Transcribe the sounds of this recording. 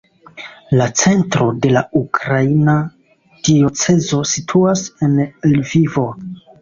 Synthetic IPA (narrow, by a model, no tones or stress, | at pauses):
lat͡se̞ntɾo̞de̞laukɾaina | d̥io̞t͡se̞zo̞sitʰuase̞nelvivo̞